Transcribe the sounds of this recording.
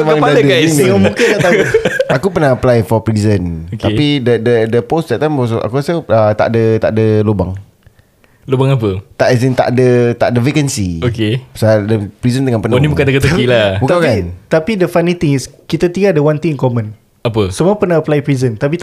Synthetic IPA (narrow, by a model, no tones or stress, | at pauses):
maaadədkaʔamŋkɪnlaʔt̪aakupərnaaplajfɔpɾizənt̪apidədədəpost̪at̪ampos̬ɔʔa̰kuasəət̪a̰ʔdət̪a̰ʔdəlobaŋ | lobaŋapət̪aʔis̬int̪a̰ʔdət̪a̰ʔdəvekənsiokesadəpɾizənd̪əŋãnpənanĩbukandəkət̪uakilabukawkat̪apidəfanit̪iŋiskit̪at̪iɡadəwant̪iŋkomə̃n | apəsəmuapərnaəplajpɾizənt̪ap̬i